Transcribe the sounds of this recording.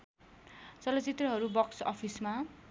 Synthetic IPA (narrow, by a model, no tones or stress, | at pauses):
t͡sʌlʌt͡sit̪rʌɦʌɾubʌksʌ̰pʰisma